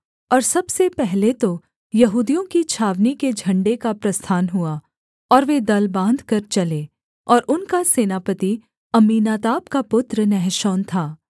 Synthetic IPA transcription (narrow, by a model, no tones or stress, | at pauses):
ɔːɾsɐbsepɛɦlet̪o | jɐɦuːd̪ijõkit͡ʃʰaːʋniked͡ʒʱɐ̃ɳɖekapɾɐst̪ʰaːnɦua | ɔːɾʋed̪ɐlbãːnd̪ʱkɐɾt͡ʃɐleː | ɔːɾʔʊnkaseːnaːpət̪i | ɐmiːnaːt̪aːpkapʊt̪ɾənɛɦʃoːnt̪ʰaː